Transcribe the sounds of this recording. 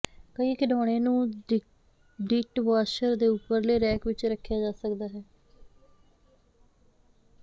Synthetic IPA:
kəiːkɪɖoːɽ̃ẽːnũː | ɖiʈʋaːʃəɾd̪eːʊpːəɾleːɾɛːkʋɪt͡ʃɾəkʰːjaːd͡ʒaːsəkd̪aːɦɛː

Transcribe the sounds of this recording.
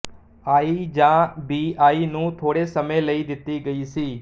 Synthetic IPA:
aːiːd͡ʒãːbiːaːiːnũːt̪ʰoːɽeːsəmẽːləiːd̪ɪt̪ːiːɡəiːsiː

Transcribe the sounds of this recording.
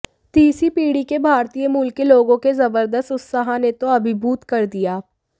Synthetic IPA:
t̪iːsipiːɽikebʱaːɾt̪ijəmuːlkːeloːɡõkezɐbəɾd̪əst̪ʊt̪saːɦãnet̪oɐbʱɪbʱuːt̪kɐɾd̪ijaː

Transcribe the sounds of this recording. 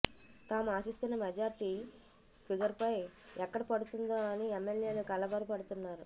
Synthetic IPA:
t̪aːmuaːsist̪unːɐmed͡ʒaːɾiʈi | kiɡɐɾpɐjɛkːɐɽɐpɐɽut̪und̪oːɐniemːelje̞ːlukɐlɐbɐɾupɐɽut̪unːaːɾu

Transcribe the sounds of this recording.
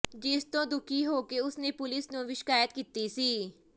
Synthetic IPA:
d͡ʒɪst̪õːd̪ʊkʰiːɦoːkeːʊsneːpʊlɪsnũːʋɪʃɪ̥kaːjət̪kiːt̪iːsiː

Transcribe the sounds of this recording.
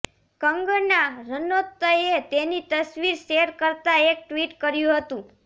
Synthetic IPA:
kəŋɡənaɾənot̪ːəet̪enit̪əsʋiɾʃeɾkəɾt̪aek̚ʈʋiʈkəɾjũɦət̪ũ

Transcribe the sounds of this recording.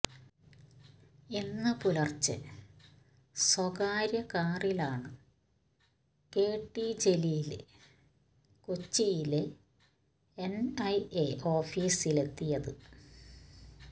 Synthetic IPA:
inːɨpulɐrt͡ɕːɨ̰ | swɐɣaːɾjɐkaːrilaːɳɨ | ke̞ːʈːid͡ʑe̞lijil | kot͡ɕːijilɨ | enɐjeʔo̞ːfiːsile̞t̪ːijɐðɨ

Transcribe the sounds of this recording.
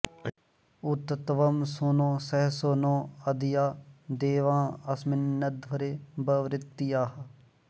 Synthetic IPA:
ʊt̪t̪ʋɐmsʊnõːsɛɦsonoːɐd̪ɪjaːd̪eːʋãːɐsmɪnːəd̪ʋɐɾeːbəʋɾɪt̪ːijaːɦ

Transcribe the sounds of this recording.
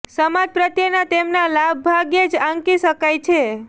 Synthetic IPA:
səmad͡ʒpɾət̪jənat̪emnalab̚ːʱaɡed͡ʒãŋkiʃəkajt͡ʃʰe

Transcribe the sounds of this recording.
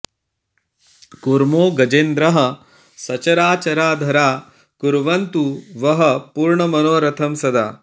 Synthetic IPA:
kuɾmoːɡɐd͡ʒend̪ɾɐɦɐ̆ | sɐt͡ʃɐɾaːt͡ʃɐɾaːd̪ʱɐɾaː | kuɾʋɐnt̪uʋɐɦɐpuːɾɳɐmɐnoːɾɐt̪ʰɐmsɐd̪a̰ː

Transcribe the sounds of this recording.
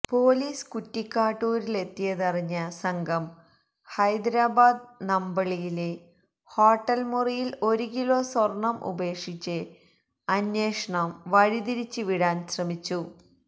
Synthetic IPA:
po̞ːliːskutːikːaːʈːuːɾile̞t̪ːijɐðɐriɲːɐsɐŋɡʱɐm | hɐjd̪ɾaːbaːd̪nɐmbɐɭijile | hoːʈːɐlmurijilo̞ɾukilo̞ːswɐrɳɐmʔṵbe̞ːʂit͡ɕːɨ | ɐnjeːʂɐɳɐmʋɐɻiðiɾit͡ɕːɨʋiɽaːnɕrɐmit͡ɕːu

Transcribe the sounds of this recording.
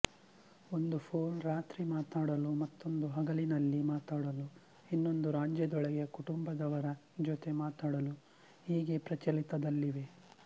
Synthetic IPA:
o̞nd̪upʰoːnɾaːt̪ɾimaːt̪aːɽɐlumɐt̪ːo̞nd̪uɦɐɡɐlinɐlːimaːt̪aːɽɐlu | inːo̞nd̪uɾaːɲd͡ʒjɐd̪ɔɭɛɡekuʈumbɐd̪ɐʋɐɾɐ | d͡ʒot̪e̞maːt̪aːɽɐlu | hiːɡe̞pɾɐt͡ʃɐlit̪ɐd̪ɐlːiʋe̞

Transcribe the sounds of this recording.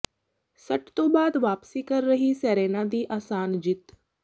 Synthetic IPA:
sɐʈt̪õːbaːd̪ʋaːpsiːkəɾːəɦisɛːɾeːnãd̪iːʔaːsaːnd͡ʒɪt̪

